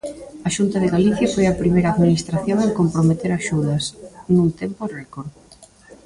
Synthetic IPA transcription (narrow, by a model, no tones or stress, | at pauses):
aʃunt̪ɐðeɣaliθjɐfojɐpɾimejɾaðminist̪ɾaθjoŋaŋkompɾomet̪eɾaʃuðɐsnũnt̪emporɛkoɾ